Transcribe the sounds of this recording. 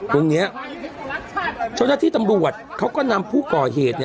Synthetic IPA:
t̪o˧ŋni˦˥ɐ | t͡ɕʰo˥˩na˦˥t̪ʰiː˥˩t̪a˧mɾu˨˩ət̪̚kʰa˦˥wkɔː˥˩na˧mpʰuː˥˩kɔː˨˩ɦeː˨˩t̪̚n˥

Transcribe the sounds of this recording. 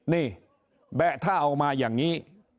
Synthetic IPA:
niː˧˩ | bɛ˨˩t̪ʰaː˥˩ʔa˧wmaː˧jaː˨˩ŋŋiː˦˥

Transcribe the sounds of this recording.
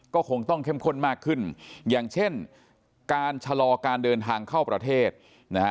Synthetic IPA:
kɔː˥˩kʰo˧ŋt̪ɔ˥˩ŋkʰe˥˩mkʰo˥˩nmaː˥˩kʰːɯ˥˩njaː˨˩ŋt͡ɕʰe˥˩n | kaː˧nt͡ɕʰa˧lɔː˧kaː˧ndɤː˧nt̪ʰaː˧ŋkʰa˥˩wpɾa˧t̪ʰeː˥˩t̪̚ | na˦˥

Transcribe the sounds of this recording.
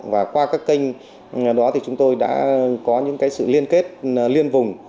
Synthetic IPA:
vaː˨˩kwaː˧kaː˦˥kːi˧ŋ̟ | ɗɔ˨˦t̪ʰi˨˩t͡ɕʊ˨˦ŋ͡mt̪o˧jɗa̰ː˧˥kɔ˨˦ɲɨ̰˧˥ŋkaː˨˦jsɨ̰˧˨li˧ənke˦˥t̚li˧ənvʊ˨˩ŋ͡m

